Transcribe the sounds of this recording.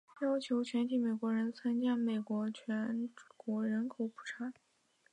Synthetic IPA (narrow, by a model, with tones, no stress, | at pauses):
jɑ˥ʊt͡ɕʰjo˧˥ʊt͡ɕʰɥɛ˧˥nt̪ʰi˧˥˩me˨˩ɪkwɔ˧˥ɻə˧˥nt͡sʰa˥nt͡ɕja˥˩me˨˩ɪkwɔ˧˥t͡ɕʰɥɛ˧˥nkwɔ˧˥ɻə˧˥nkʰo˨˩ʊpʰu̥˨˩ʈ͡ʂʰa˧˥